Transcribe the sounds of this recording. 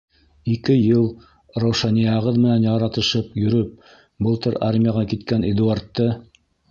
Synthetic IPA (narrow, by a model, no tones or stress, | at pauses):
ikɘjɤlˠ | rowʃɑnijɑʁɤðmɘ̆nænjɑɾɑt̪ɤ̆ʃɤpjɵ̆ɾɵp̚ | bɤlˠt̪ɤɾarmʲɪjɑʁɑkit̪kæned̪uart̪ːɤ